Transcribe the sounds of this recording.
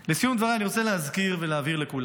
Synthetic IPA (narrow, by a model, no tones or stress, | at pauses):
lisijumd̪vaʁaaniʁot͡seleɦazkiʁveleaviʁle̞kula